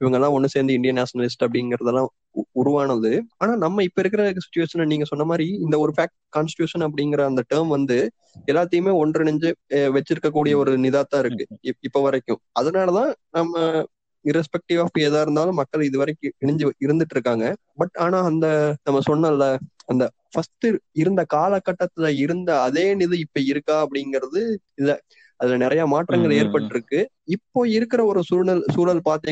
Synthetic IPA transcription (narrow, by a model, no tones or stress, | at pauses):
ɪʋɐŋɡɐlːãːɔnːɯseːɾnd̪ɯɪɳɖɪjɐnaːsɐnɐlɪsʈɐpːɐɽɪŋɡɪɾɐðɐlːãː | ʊɾʊʋaːnɐðɯaːnaːnɐmːɐɪpːoɪɾɯkːɪɾɐðɯkːɯsɪ̥t͡ʃːʊʋeːʂɐnniːŋɡɐsɔnːɐmaːd̪ɾiɪnd̪ɐɔɾɯfaːk̚ʈkaːnsʈɪ̥ʈjuːʂɐnɐp̬ːɐɽɪŋɡɪɾɐːnd̪ɐʈɐːɾmʋɐnd̪ɯ | ɛlːaːt̪ːɐjɯmeːɔɳrɪɳɪɲd͡ʒɯʋɛt͡ʃːɪɾɯkːɐk̬ːuːɽɪjɐɔɾɯnɪðaːt̪ːãːɪɾɯkːɯɪpːoʋɐɾɐkːʊ̃ | ɐðɐnaːlɐðãːnɐmːɐ | ɪɾɛspɛk̚ʈɪʋaːfeːðaːɪɾɯnd̪aːlɯ̃mːɐkːɐɭɪðɯʋɐɾɐɪkːɯ̃ɪɳɪɲd͡ʒɯɪɾɯnd̪ɯʈːɾɯkːaːŋɡɐ | bɐʈaːnãːɐnd̪ɐnɐmːɐsɔnːɐlːɐɐnd̪ɐ | fɐsʈɯɪɾɯnd̪ɐkaːlɐkːɐʈːɐt̪ːɪlɐɪɾɯnd̪ɐɐðeːnɪðɯɪpːoɪɾɯkːaːɐpːɐɽɪŋɡɪɾɐðɯ | ɪðɐ | ɐðɪlɐnɪɾɐjaːmaːʈrɐŋɡɐɭeːɾpɐʈːɪɾɯkːɯ | ɪpːoːɪɾɯkːɪɾɐɔɾɯsuːnɐlsuːlɐlpaːɾt̪iː